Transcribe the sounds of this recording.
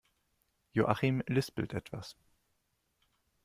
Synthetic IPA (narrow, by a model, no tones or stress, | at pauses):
joʔaximlʏspə̰lt̪ʰɛt̪va̰s